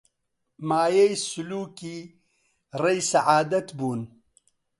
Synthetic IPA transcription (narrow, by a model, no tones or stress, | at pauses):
maːjɐjsuluːki | rɐjsɐʕaːd̪ɐt̪buːn